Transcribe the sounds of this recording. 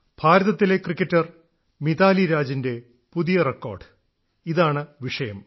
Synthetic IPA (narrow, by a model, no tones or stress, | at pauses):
b̥ʱaːɾɐðɐt̪ːile̞krikːɐtːɐr | miðaːliɾaːd͡ʑinde̞ | puðijɐrekːo̰ːrɖɨ̥ | iðaːɳɨʋiʂɐjɐm